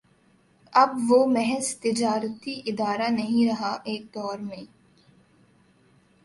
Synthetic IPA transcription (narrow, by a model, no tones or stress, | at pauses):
ɐbʋoːmɛɦɛzt̪ɪd͡ʒaːɾt̪iʔɪd̪aːɾanɐɦĩɾɐɦaʔeːk̚d̪ɔːɾmẽː